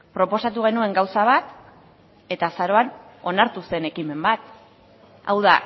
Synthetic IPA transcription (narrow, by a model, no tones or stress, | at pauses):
pɾo̞po̞sat̪uɣ̞e̞nue̞ŋɡawsaβ̞at̪ | e̞t̪asaɾo̞an | o̞naɾt̪use̞ne̞kime̞mbat̪ | a̰wða